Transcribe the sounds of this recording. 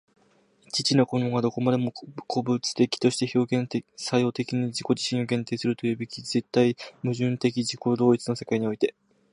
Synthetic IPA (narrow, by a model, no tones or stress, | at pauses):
t͡ɕit͡ɕino̞ko̞noɡad̪o̞ko̞mad̪e̞mo̞kʰo̞bɯt͡sɨ̥t̪e̞kʲi̥t̪o̞ɕi̥t̪e̞ço̞ːɡẽnsajo̞ːt̪e̞kʲiɲ̟id͡ʑiko̞d͡ʑiɕĩɰ̃o̞ɡẽ̞nt̪e̞ːsɨɾɯ̟t̪o̞jɯ̟ːbe̞kʲize̞t̪ːaimɯ̟ʑɨ̃nt̪e̞kʲiʑiko̞d̪o̞ːit͡sɨno̞se̞kaiɲ̟io̞it̪e̞